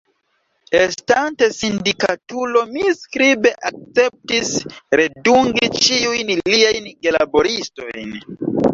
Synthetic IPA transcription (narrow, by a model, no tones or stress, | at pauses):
estantesindika̰tulo̞miskɾibe̞ʔak̚t͡se̞p̚tisɾe̞duŋɡit͡ʃiujnliajnɡelabo̞ɾisto̞̰jn